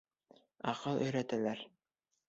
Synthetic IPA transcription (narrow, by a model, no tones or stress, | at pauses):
ɑqɤlˠʔɵ̆jɾæt̪ælæɾ